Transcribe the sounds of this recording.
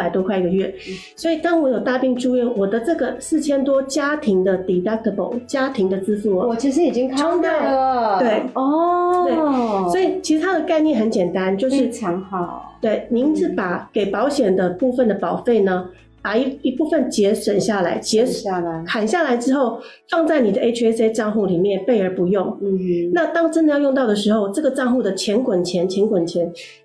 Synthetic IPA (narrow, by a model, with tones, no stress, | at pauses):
a˨˩ɪt̪wɔ˥kʰwa˥˧ɪi˥˩ɡə˩ɥɛ˥˩ | swɔ˧˥i˨˩t̪ɑ˥ŋwɔ˧˥jo˨˩ʊt̪a˥˧pi˥˧ŋʈ͡ʂu˥˧ɥɛ˥˩nwɔ˨˩d̪ə˦ʈ͡ʂɤ˥˩ɡə˩sɹ̩˥˩t͡ɕʰjɛ˥nt̪wɔ˥t͡ɕja˥t̪ʰi˧˥ŋd̪ə˧t̪i˨˩t̪a˥˩t̪ə˧˩po˨˩˦ʊt͡ɕja˥t̪ʰi˧˥ŋd̪ə˨t͡sɹ̩˥fu˥˩lə˨˩t͡ɕʰi˧˥ʂɻ̩˧˥i˨˩t͡ɕi˥ŋkʰo˥ŋa˥˧ə˨we˥˩ɪɔ˥t̪we˥˩ɪswɔ˧˥i˨˩t͡ɕʰi˧˥ʂɻ̩˧t̪ʰa˥d̪ə˨˩ka˥˧ɪnjɛ˥˩nxə˧˥nt͡ɕjɛ˨˩nt̪a˦˥nt͡ɕjo˥˧ʊʂɻ̩ʰ˥˩˧t̪we˥˩ɪmi˧˥ŋt͡sɹ̩˧˩pa˨˩˦ke˨˩ɪpɑ˧˥ʊɕjɛ˨˩nd̪ə˦pu˥˩fə˨˩nd̪ə˩pɑ˨˩ʊfe˥˩ɪnə˩ | pa˨˩i˧˥i˧pu˥˧fə˨nt͡ɕjɛ˧˥ʂwə˨˩nɕja˥˩la˧˥ɪt͡ɕjɛ˧˥˧kʰa˨˩nɕja˥˩la˧˥ɪʈ͡ʂɻ̩˥xo˥˩ʊ | fɑ˥˧ŋt͡sa˥˩ɪni˨˩d̪ə˦ʔe˥ʈ͡ʂʰe˥se˥ɪʈ͡ʂɑ˥˧ŋxu˥˩li˨˩mjɛ˥˩npe˥˩ɪə˞˧˥pu˧˥jʊ˥˩ŋ̩˧˩na˥˧t̪ɑ˥ŋʈ͡ʂə˦˥nd̪ə˨˧jɑ˥˧ʊjʊ˥˧ŋt̪ɑ˥˩ʊd̪ə˩ʂ̬ɻ̩˧˥xo˥˧ʊʈ͡ʂɤ˥˩ɡə˩ʈ͡ʂɑ˥˧ŋxu˥˩d̪ə˩t͡ɕʰjɛ˧˥nkwə˨˩nt͡ɕʰjɛ˧˥nt͡ɕʰjɛ˧˥nkwə˨˩nt͡ɕʰjɛ˧˦˥n